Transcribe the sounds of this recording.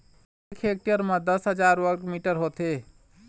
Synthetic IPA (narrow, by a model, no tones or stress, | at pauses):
ekʰek̚ʈijəɾməd̪əsɦəd͡ʒaɾʋəʈmiʈəɾɦot̪e